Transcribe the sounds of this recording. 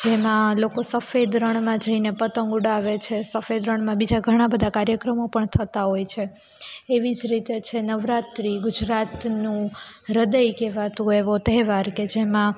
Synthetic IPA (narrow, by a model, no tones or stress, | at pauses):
d͡ʒemãlokosəfed̪ɾəɳ̃mãd͡ʒəinepət̪ə̃ŋɡuɽaʋet͡ʃʰesəfed̪ɾəɳmãbid͡ʒaɡʱəɽ̃ãbəd̪ʱakaɾjəkɾəmopəɳt̪ʰət̪aɦojt͡ʃʰeː | ʋid͡ʒɾit̪et͡ʃʰenəʋɾat̪ɾiɡʊd͡ʒɾat̪nũ | ɾəd̪əjkeʋat̪ũeʋot̪ɛɦʋaɾked͡ʒemã